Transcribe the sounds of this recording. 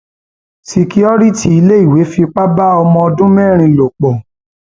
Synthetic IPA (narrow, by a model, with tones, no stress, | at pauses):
ti˧ki˦ɔ˦ɾi˦ti˧˦i˧le˦i˦˨we˨˦fi˧k͡pa˦ba˦ɔ˧mɔ̃˧ɔ˧dũ˦mɛ˦˨ɾ̃ĩ˧lo˨k͡pɔ˨